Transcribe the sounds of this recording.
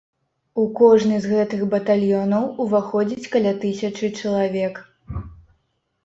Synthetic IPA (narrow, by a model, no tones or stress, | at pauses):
ukɔʐnɨzɣɛt̪ɨxbɐt̪alʲjɔnɐwuvaxɔd͡zʲit͡sʲkɐlʲat̪ɨsʲɐt͡ʂɨt͡ʂɐlˠavʲɛk